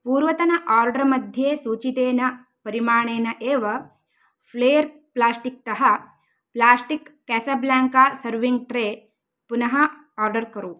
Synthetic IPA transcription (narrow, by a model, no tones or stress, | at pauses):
puːɾʋɐt̪ɐnɐʔaːɾɖɐɾmɐd̪ʱjeːsuːt͡ʃit̪eːnɐ | pɐɾimaːɳ̃eːnɐʔeːʋɐ | pʰleːjɐɾ | plaːsʈik̚t̪ɐɦɐ | plaːsʈikːɛːsɐblaːŋkaːsɐɾʋiŋɡ̚ʈɾeː | punɐɦɐ | aːɾɖɐɾkɐɾu